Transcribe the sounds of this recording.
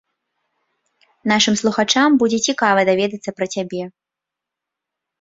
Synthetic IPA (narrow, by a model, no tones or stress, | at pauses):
naʂɨmslˠuxat͡ʂambud͡zʲɛt͡sʲikavɐd̪avʲɛd̪ɐt̪sːɐpɾɐt͡sʲabʲɛ